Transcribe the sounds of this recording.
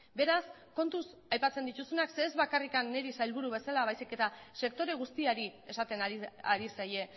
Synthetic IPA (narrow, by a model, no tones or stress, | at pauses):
be̞ɾas | ko̞nt̪usajpat͡send̪it̪usunakseːzβakarikanːeɾisajlβuɾuβe̞salaβ̞ajsike̞t̪ase̞k̚t̪o̞ɾe̞ɣ̞ust̪iaɾie̞sat̪e̞naaɾisaje̞